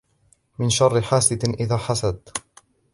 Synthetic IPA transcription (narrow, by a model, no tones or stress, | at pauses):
mɪnʃɑrˤːɪħaːsɪʔɪðaːħasad̪